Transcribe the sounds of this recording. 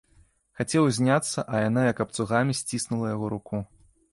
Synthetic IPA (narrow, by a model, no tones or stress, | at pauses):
xat͡sʲɛwzʲnʲat̪sːɐʔɐjanajɐkɐp̚t̪suɣamʲisʲt͡sʲisnulˠɐjaɣɔɾuku